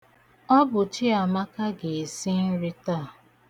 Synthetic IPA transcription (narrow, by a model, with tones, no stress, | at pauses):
ɔ˦bʊ˨t͡ʃɪ˦a˨ma˦ka˦ɡe˨si˦n̩˦ɾi˦ta˦˨